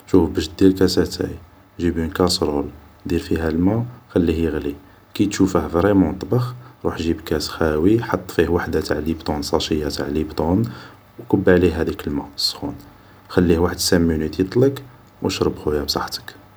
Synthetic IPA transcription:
ʃufbæʃd̪ilkæsæt̪æ̰j | ʒibunkɑsɾˤol | d̪ilfiɦælmæxælːihjəɣli | kit̪ʃufəhvɾɛmɑ̃nt̪ˤbɑxɾˤuħʒibkæsxæwiħɑt̪ˤːfihwaħd̪at̪aʕlibt̪ˤonsˤɑʃəjːat̪aʕlibt̪ˤon | wkəbːʕliːæd̪ikəlmæsˤːxun | xælːihwaħəd̪sæmːunit̪it̪ˤlək | wəʃɾˤəbxujæbsˤɑħt̪ə̥k

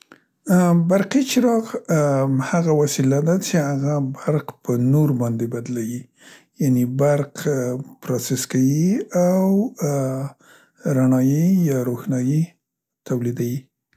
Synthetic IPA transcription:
baɾqit͡ʃɪɾɑɣ | haɣawasilad̪at͡ʃeaɣabaɾqpənoɾbɑnd̪ebad̪lawi | janebaɾqpɾɑseskawiaw | ɾaɳɑjijɑɾoxnɑji | t̪awlid̪awi

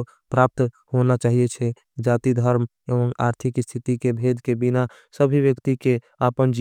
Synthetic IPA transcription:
pɾaːp̚t̪ | honat͡ʃaːɦijet͡ʃʰɛ | d͡ʒaːt̪id̪ʱəɾm | eʋəŋa̰ɾt̪ʰikst̪ʰit̪ikebʱed̪ʱkebina | səbʱiʋjəkt̪ike | apənd͡ʒ

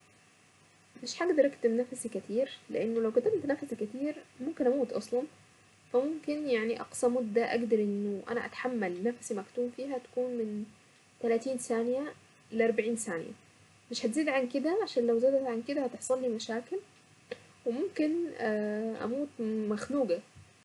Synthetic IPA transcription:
mɪʃħaɡd̪ɑɾˤʔakt̪ɪmnafsikat̪iːɾlɪ̰ʔanːolawkʊt̪amt̪nafsikat̪iːɾmʊmkɪnʔamuːt̪ʔɑsˤlɑn | famʊmkɪnjaʕniʔɑ̰qsɑmʊd̪ːaʔa̰ɡd̪ɑɾˤʔɪnːʊʔa̰næʔa̰t̪ḁħamːalnafsimækt̪uːmfiːɦæt̪ḁkuːnmɪn | t̪ælaːt̪iːnsaːnja | lɪʔɑɾˤbaʕiːnsaːn̰ja̰ | mɪʃhæt̪ziːd̪ʕankɪd̪æʕaʃaːnlawzaːd̪at̪ʕankɪd̪æhæt̪eħsˤɑlːiːmaʃaːkɪl | wɪmʊmkɪnː | ʔa̰muːt̪maxnuːɡa

